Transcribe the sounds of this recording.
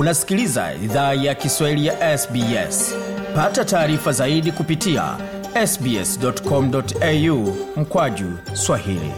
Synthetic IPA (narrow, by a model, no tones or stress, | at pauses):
unasi̥kiliza̰ḭðajakiswahilijaʔɛsbiɛ̰spatataːɾifazaiɗikupitia̰ | ɛsbiɛ̰sdɔtkɔm̩dɔtɛjum̩kwaʄu | swahilḭ